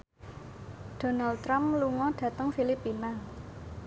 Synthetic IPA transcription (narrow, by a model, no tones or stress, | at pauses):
d̥o̤nalɾamluŋɔɖ̥ä̤t̪əŋfilipina